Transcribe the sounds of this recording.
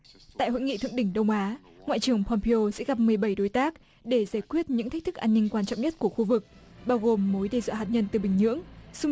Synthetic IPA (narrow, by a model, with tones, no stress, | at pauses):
t̪a̰ː˧˨jho̰˧˥ŋḭ˧˨t̪ɨ̰˧˨əŋɗï˧˩ŋ̟ɗə˧wŋ͡mʔaː˨˦ | ŋwa̰ː˧˨jt͡ɕɨ˨˩əŋpʰɔ˧mpi˧o˧sɛ̰˧˥ɣa˨˩p̚mɨ˨˩əjɓə˧˩jɗo˨˦jt̪aː˦˥k̚ | ɗe˧˩zaː˧˩jkwi˦˥ət̚ɲɨ̰˧˥ŋt̪ʰa˦˥k̚t̪ʰɨ˦˥k̚ʔaː˧nːï˧ŋ̟kwaː˧nt͡ɕɔ̰˧˨wŋ͡mɲə˦˥t̚ku˧˩əxu˧vɨ˨˩k̚ | ɓaː˧wɣo˨˩mːo˨˦jɗɛ˧jzwɔ̰ː˧˨ɦaː˨˩t̚ɲə˧nt̪ɨ˨˩ɓï˨˩ŋ̟ɲɨ̰˧˥əŋsʊ˧ŋ͡m